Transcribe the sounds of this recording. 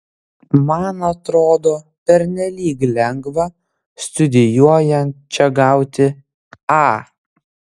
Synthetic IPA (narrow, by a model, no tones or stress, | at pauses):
mɐnɐt̪ɾoːd̪oː | pʲɛɾʲnʲɛlʲiːklʲɛŋɡʋɐ | st̪ʊd̪ʲɪjuɔjɛnʲt̪̚t͡ʃʲɛɡɑˑʊt̪ʲɪ | ɑ